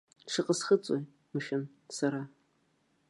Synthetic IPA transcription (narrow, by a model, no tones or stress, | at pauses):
ʂɨqəsxɨt͡sʼoj | mɨʃɪn | sɐɾaː